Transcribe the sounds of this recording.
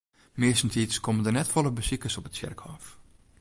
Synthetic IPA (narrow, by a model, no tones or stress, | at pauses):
mɪəsn̩titskʰoməndənɛtfɔlˠəbəsikəsɔpətsɪ̰rkhɔːf